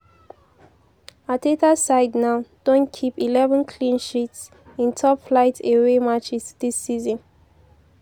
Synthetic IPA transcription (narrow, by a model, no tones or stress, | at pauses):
atetasaɪdnaʊd̥õnkʰipilɛvə̃nkʰlĩnʃits | ĩntʰɔpflaɪteɹemat͡ʃisd̥isːizɔ̃n